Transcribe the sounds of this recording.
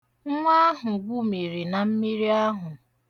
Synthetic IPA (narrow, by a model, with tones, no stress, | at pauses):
ŋ̩˦ŋʷa˦ɦʊ˨ɡʷu˦mi˨ɾi˨na˨m̩˦mi˦ɾi˦a˦ɦʊ˨